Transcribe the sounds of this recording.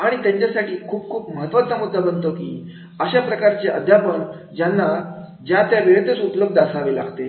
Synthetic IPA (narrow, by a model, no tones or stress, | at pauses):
aɽ̃it̪jãɲt͡ɕasaʈiːkʰuːp̚kʰuːpməɦət̪ʋat͡samud̪ʱːabənt̪okḭː | əɕapɾəkaɾt͡seʔəd̪ʱjapəl | d͡ʑanːa | d͡ʑjat̪jaʋeɭt̪ət͡supləb̚d̪d̪asaʋela̰ɡt̪e